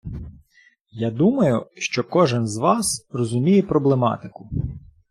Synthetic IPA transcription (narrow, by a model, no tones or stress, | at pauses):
jad̪umɐjʊʃt͡ʃɔkɔʒɪnzʋɑsrɔzʊmʲijɛpɾɔblˠemɑ̰t̪ɪkʊ